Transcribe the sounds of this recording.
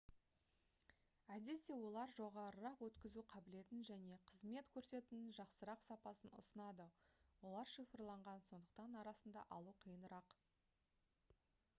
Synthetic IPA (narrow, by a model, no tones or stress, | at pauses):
æd̪e̞t̪ːe̞wo̞lˠɑɾʒo̞ʁɑɾəɾɑqwɵt̪kʲɪzuqʰɑbɪle̞t̪ɪnʒæne̞qʰəzme̞t̪kʲʰɵɾse̞t̪ɪnɪnʒɑqsəɾɑqsɑpɑsənʊ̰sənɑd̪əwo̞lˠɑɾʃifəɾlˠɑɴʁɑnso̞nd̪əqt̪ɑnɑɾɑsənd̪ɑ̰ʔɑlˠuqʰəjənəɾɑq